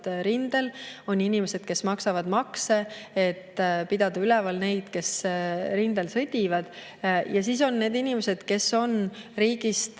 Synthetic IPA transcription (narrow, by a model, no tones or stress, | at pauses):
ɾind̪e̞lo̞ninime̞se̞d̪̥̚ke̞smɑksɑvɑd̪̥mɑkse̞et̪ːpid̪̥ɑd̪̥ɑylɛvɑlne̞jd̪̥ke̞sɾind̪̥e̞lsɤd̪̥ʲivɑd̪̥ | jɑsiːso̞nːe̞ːd̪inʲimese̞d̪̥ke̞so̞nriːɡ̥ist̪